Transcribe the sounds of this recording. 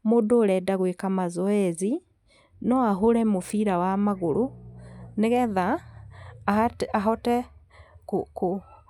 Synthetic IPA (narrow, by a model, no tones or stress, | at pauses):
moːdoɾɛdaɣwekamazɔɛzi | nɔaɦoɾɛmofiɾawamaɣoɾo | neɣɛða | aɦɔtɛ | kko